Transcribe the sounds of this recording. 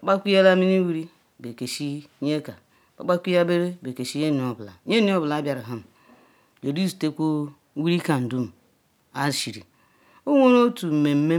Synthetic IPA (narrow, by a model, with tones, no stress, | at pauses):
a˨k͡pa˦kʷi˦ja˦la˦mi˦ni˦wi˦ɾi˦ | be˨ke˨ʃi˦ɲe˦ka˨ | k͡pa˨k͡pa˦kʷi˦ja˦be˦ɾe˦be˨ke˨ʃi˦ɲe˦ni˨o˨bla̰˨˦ɲe˦ni˦o˦bla˨a˦bja˨ɾa˨ɦa˦m̩˨ | d͡ʒo˨di˦zi̥˨te˦kʷo˦ | wi˦ɾi˦ka˨n̩˨du˦m̩˨ | a˦˨ʃi˨ɾḭ˨ | o˦ŋʷo˦ɾo˦tu˨m̩˨me˨m̩˦me˦